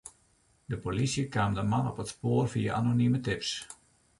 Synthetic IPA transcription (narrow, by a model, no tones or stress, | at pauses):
dəpolisjəkaːmdəmanɔpətspoːərfiəʔanonimətɪps